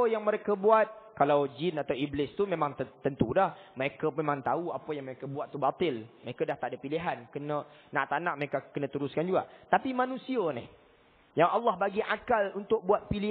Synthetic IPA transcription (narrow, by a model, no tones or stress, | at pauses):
əjaŋməɾekəbuat̪̚kalawd͡ʒinat̪awiblɪst̪umẽmãŋt̪ənt̪udahməɾekəmemãŋt̪auapəjaŋməɾekəbuat̪ːubat̪ɪlməɾekadaht̪aʔdəpiliɦankənənaʔt̪anaʔməɾekakənə̃t̪əɾʊskand͡ʒuɡa̰ʔt̪apimanũsiənɪ̰h | jaŋalːɑhbaɡiʔakalunt̪ʊk̚buat̪̚pili